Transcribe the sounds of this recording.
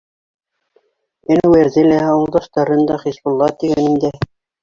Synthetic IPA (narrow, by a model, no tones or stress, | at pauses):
ɘnwæɾzɘlæɑwɤ̆lˠd̪ɑʃt̪ɑɾɤnd̪ɑχisbŭlˠːɑt̪iɡænĭnd̪æ